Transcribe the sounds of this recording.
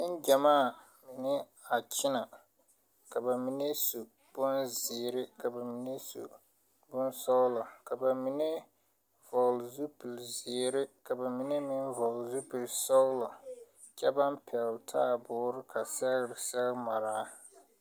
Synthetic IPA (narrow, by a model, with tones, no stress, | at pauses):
n̩˦d͡ʒa˨maː˦˨ | mɪ˨nɪ˦ | a˨t͡ʃɪ˦na˨ | ka˨ba˨mi˨ne˦su˨ | b̥ʊ˦nzɪ˨ɾɪ˦ka˨ba˨mi˨˦ne˦sṵ˨ | bʊ˦nsɔ˦ɣla˨ka˨ba˨mi˨ne˦ | vɔ˨ɣlzu˦pi˨lzɪ˨ɾɪ˦ka˨ba˨mi˨ne˦mɪ˦nvɔ˨ɣlzu˦pi˨lsɔ˦ɣlɔ˨ | t͡ʃɛ˦ba˦mpʰɛ˨ltʰaː˦bʊː˨˦ɾɪ˦kʰa˨sɛ˦ɣɾɪ˨sɛ˦ɣɪ˦ma˨ɾaː˦